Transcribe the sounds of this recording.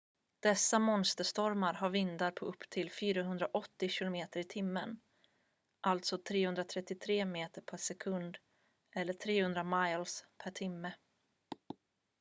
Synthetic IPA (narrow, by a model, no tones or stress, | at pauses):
d̪̥ɛsːamɔnst̪əʂt̪ɔɾmaɾɦaɾvɪnd̪aɾpʰɔʔɵpːt̪ʰɪlfyːɾaɦɵnd̪ɾaʔɔt̪ːɪɕɪlʊmeːt̪əɾɪt̪ʰɪmːən | ʔalt̪sɔt̪ʰɾeːhɵnd̪ɾat̪ʰɾɛt̪ːɪt̪ʰɾeːmeːt̪əɾpʰæʂɛkʰɵnd̪ | ʔɛlːəʈʰɾeːhɵnd̪ɾamajlspʰæʈʰɪmːə